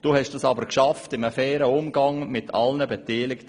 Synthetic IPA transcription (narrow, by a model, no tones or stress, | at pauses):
d̥uːhɛʃd̥usɑbəɾkʃɑftɪməfɛːɾəʊmɡɑŋmɪtʰɑ̰lnəbɛtiːlɪkt